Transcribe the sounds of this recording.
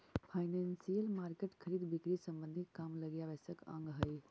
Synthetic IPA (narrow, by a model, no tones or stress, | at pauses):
pʰajnensijəlmaɾkeʈkʰəɾiːd̪bikɾisəmbənd̪ʱit̪̚kamləɡjaʋɛsəkə̰̃ŋɡɦəj